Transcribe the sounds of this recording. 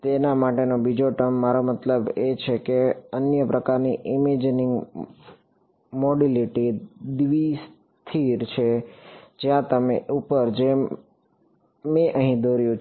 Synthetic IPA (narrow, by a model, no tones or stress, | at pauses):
t̪enamaʈenobid͡ʒoʈəmːaɾomət̪ləbet͡ʃʰekeənjəpɾəkaɾniʔɪmed͡ʒnɪŋɡ | moɖiliʈid̪ʋis | t̪ʰiɾt͡ʃʰed͡ʒjãt̪əmeʔupəɾd͡ʒe | mẽʔəɦĩd̪oɾjũ